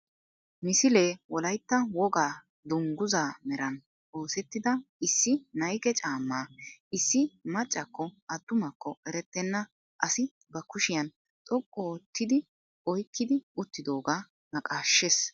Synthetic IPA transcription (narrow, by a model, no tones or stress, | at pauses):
mɪsɪle̞ːwɔlɐjt̪ːɐwɔɡaː | d̪ʊŋɡʊzaːmɛɾɐn | o̞ːsɛt̪ːɪd̪ɐɪsːɪnɐjkɛt͡ʃʼaːmːaːɪsːɪmɐt͡ʃʼːɐkːɔɐd̪ːʊmɐkːɔʔɛɾɛt̪ːɛnːɐ | ʔɐsɪ | bɐkʊʃɪjɐn | t̪ʼɔkʼːɔt̪ːɪd̪ɪ | ɔjkːɪd̪ɪʊt̪ːɪd̪o̞ːɡaː | nɐkʼaːʃːes